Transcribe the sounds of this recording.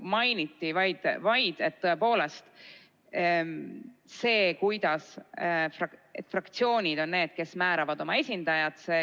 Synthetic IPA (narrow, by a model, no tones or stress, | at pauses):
mɑjnit̪ːˑivɑjd̪̥vɑjd̪̥e̞t̪ːɤe̞po̞ːle̞st̪ | se̞ːkujd̪̥ɑsfrɑe̞̰t̪ːˑfrɑkt̪sio̞ːnʲid̪̥o̞nːne̞ːd̪̥̚ke̞smæːɾɑvɑd̪o̞mɑe̞sʲind̪̥ɑjɑt̪se